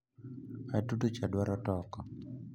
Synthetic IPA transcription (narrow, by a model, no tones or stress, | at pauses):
atutut͡ʃadwaɾɔtɔkɔ